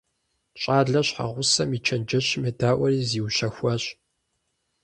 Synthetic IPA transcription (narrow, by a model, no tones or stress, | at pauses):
t͡ʃʼaːɮɐɕħa̰ʁʷʊsɐmit͡ʃʰɐnd͡ʒɐɕmɨdaːʔʷɐriːziːwɕɐxʷɐɕ